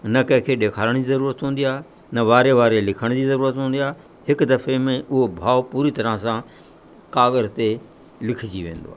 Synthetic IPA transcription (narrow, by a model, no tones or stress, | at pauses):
nɐkɐ̃ɦɪ̃kʰeːɗeːkʰaːləɽ̃d͡ʑizɐɾuːɾət̪ɦũːnd̪ijaː | nɐʋaːɾeʋaːɾelɪkʰəɽ̃d͡ʑizɐɾuːɾət̪ɦũːn̆d̪ijaːɦe | hɪkd̪ɐfemẽʔʊɦobʱaːʋpuːɾit̪ɐɾə̃sã | kaːɣəɾt̪e | lɪkʰɪd͡ʑiʋẽːnd̪o̰aː